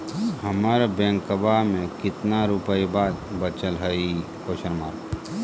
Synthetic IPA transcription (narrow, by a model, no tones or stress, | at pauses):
ɦɐmaːɾabɛ̃ːŋkəbamẽkɪt̪naɾupəjbaːd̪̚bət͡ʃəlɦəi | koʃəɾmaːɾ